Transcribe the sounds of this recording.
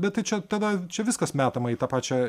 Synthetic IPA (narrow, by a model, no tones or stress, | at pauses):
bʲɛt̪t̪ɐɪt͡ʃʲɛt̪ɑd̪ɐt͡ʃʲɛʋʲɪskɐsmʲæːt̪ɐmɐiːt̪ɑːpɑːt͡ʃʲɛ